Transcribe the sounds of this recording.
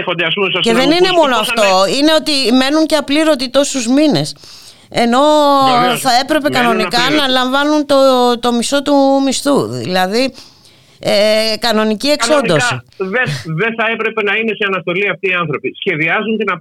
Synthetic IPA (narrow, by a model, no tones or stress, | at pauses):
xond̪eɐs̬pumsɐsceððe̞nine̞mo̞noɐft̪o̞ine̞o̞t̪ime̞nuɲceɐpliɾo̞t̪it̪o̞suzmine̞s | e̞no̞ | θɐe̞pɾe̞pe̞kɐno̞nikɐnɐlɐɱvɐnunt̪ot̪o̞mist̪o̞t̪umist̪uðḭlɐði | ekɐno̞nicie̞ksond̪osiðeðenθɐe̞pɾe̞pe̞nɐine̞seɐnɐst̪o̞liɐft̪iːɐnθɾo̞pisçe̞ðiɐzunt̪inɐ